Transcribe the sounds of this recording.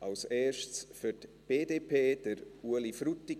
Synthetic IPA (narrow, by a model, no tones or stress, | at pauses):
alseːʃt͡sfytb̥eːdeːpʰeːd̥əɾuəlifɾuti